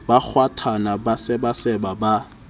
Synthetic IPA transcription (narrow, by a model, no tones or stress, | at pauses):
bak͡xʰwatʰanabasɪbasɛbaba